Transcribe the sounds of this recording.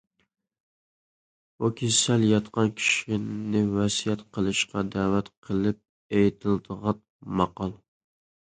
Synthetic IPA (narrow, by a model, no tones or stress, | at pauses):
ukʲʰesæljɑt̪qʰɑnkʲʰi̥ʃinɪvɛsijɛt̪qʰəlˠɨʃqɑd̪æwæt̪qʰəlˠɪp̚ | ejt̪ʰɪld̪əʁɑn | mɑqɑlˠ